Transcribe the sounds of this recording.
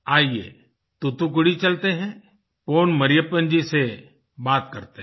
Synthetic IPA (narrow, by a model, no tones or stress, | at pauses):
aːjḛː | t̪ʊt̪uk̬ʊɽit͡ʃɐlt̪eɦɛ̃ | poːnməɾɪjəpənd͡ʒise | baːt̪̚kɐɾt̪e